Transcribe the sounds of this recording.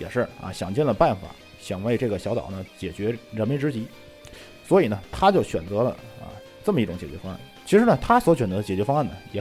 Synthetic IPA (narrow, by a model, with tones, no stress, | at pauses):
jɛ̰˨˩ʂɻ̩˥˩a̰˧ɕjɑ˨˩ŋt͡ɕjɛ˥˩nd̪ə˩pa˥˩nfa̰˨˩˦ | ɕjɑ˨˩ŋwe˥˧ɪʈ͡ʂɤ˥˩ɡə˩ɕjɑ˧˥t̪ɑ̰˨˩ʊnə˦t͡ɕjɛ˨˩t͡ɕɥɛ˧˥ɻə˧˥nmi˧˥nʈ͡ʂɻ̩˥t͡ɕi˧˥ | swɔ˧˥i˨˩nə˦t̪ʰa˥t͡ɕjo˥˩ʊɕɥɛ˨˩nt͡sɤ˧˥lə̰˧a̰˧ | ʈ͡ʂɤ˥˩mə˩i˥˩ʈ͡ʂʊ˧˥ŋt͡ɕjɛ˨˩t͡ɕɥɛ˧˥fɑ˥ŋa˥˩n | t͡ɕʰi˧˥ʂɻ̩˧˥nə˧t̪ʰa˥swɔ˧˥ɕɥɛ˨˩nt͡sɤ˧˥ə˧t͡ɕjɛ˨˩t͡ɕɥɛ˧˥fɑ˥ŋa˥˩nə˩jɛ̰˨˩